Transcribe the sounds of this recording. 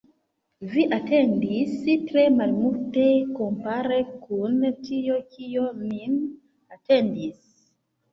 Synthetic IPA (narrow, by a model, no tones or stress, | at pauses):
viʔatɛndisitɾemalmutekɔmpaɾekʰuntijokijonin | atɛndis